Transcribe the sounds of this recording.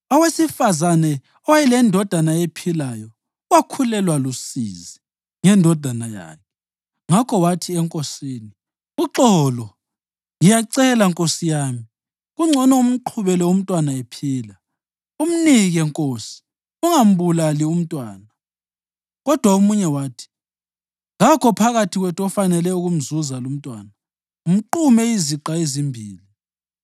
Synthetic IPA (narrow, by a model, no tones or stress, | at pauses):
ɔwesifazanɛ | ɔwajɛlɛndʱɔd̥ʱanaepʰilajɔ | wakʰulɛlwalusḭzi | ŋɛndʱɔd̥ʱanaja̰ːmʰɛ | ŋakʰɔwatʰiɛŋkʼosiːni | uǁɔlɔ | ŋijaǀɛlaŋkʼosijaːmi | ɣuŋ͡ǀʱɔnɔum̩ǃʰuβɛlɛum̩tʼwanaepʰiːla | um̩niɣɛŋkʼoːsi̥ | uŋam̩βulalium̩tʼwaːna | ɣɔd̥ʱwaomuɲɛwaːtʰi̥ | ŋakʰɔpʰaɣatʰiɣwɛtʰɔfanɛlɛuɣum̩zuzalum̩tʼwa̰ːna | um̩ǃumɛiziǃaezimbʱiːli